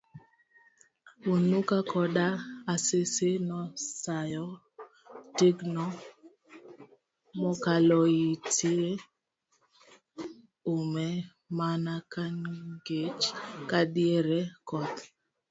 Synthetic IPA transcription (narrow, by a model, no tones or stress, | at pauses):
unukakɔdaasesenɔsajɔ | teɡnɔ | mɔkalɔitie | umɛ | manakanɡet͡ʃkadɪeɾekɔt̪